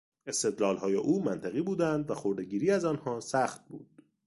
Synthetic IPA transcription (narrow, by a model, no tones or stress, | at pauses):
e̞st̪e̞d̪lɒːlɦɒːjeʔuːmænt̪ʰæɣiːbuːd̪ænd̪væxo̞ɾd̪eɟiːɾiːæzɒnhɒːsæxt̪̚bṵːd̪̥